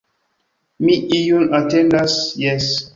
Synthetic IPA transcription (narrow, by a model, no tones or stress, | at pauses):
miijunatɛ̃ndasjɛs